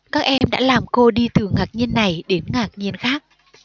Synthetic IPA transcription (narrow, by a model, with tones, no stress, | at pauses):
kaː˦˥k̚ʔɛ˧mɗa̰ː˧˥laː˨˩mko˧ɗi˧t̪ɨ˨˩ŋaː˨˩k̚ɲi˧ənːa˨˩jɗe˨˦nŋaː˨˩k̚ɲi˧ənxaː˦˥k̚